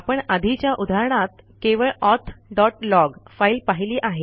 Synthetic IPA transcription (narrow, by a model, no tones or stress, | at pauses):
apəɳəd̪ʱit͡ɕjaʔud̪ʱaɾɳ̃at̪ | keʋəɭɔt̪ʰɖɔʈlɔɡfailpaɦiliːʔaɦe